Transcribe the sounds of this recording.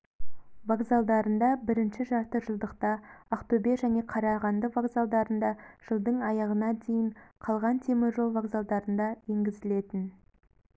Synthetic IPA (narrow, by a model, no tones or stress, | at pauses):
vaɡzalˠd̪ɑɾənd̪ɑbɪɾɪnʃɪʒɑɾt̪əʒəlˠd̪əqt̪ɑːqt̪obeʒæne̞qʰɑɾɑʁɑnd̪əvaɡzalˠd̪ɑɾənd̪ɑʒ̥əlˠd̪əɴɑjɑʁənɑd̪e̞jɪɴqʰɑlˠʁɑnt̪ʰe̞mɪɾʒo̞lˠvaɡzalˠd̪ɑɾənd̪ɑje̞ŋɡʲɪzɪle̞t̪ɪn